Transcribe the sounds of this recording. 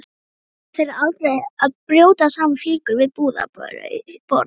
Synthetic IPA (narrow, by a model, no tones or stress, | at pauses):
θeɾaɾalfɾejaðpɾjoːwt̪asaːmafliːkʏɾvɪðpuːða̰pœ̰ɾʏ̰ipɔɾt̪